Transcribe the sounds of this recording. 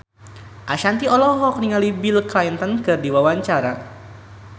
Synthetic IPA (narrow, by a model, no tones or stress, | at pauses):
ʔaʃant̪iɔlɔɦɔk̚niŋalibilkajnt̪ɔnkɨrdiwawaɲt͡ʃaɾa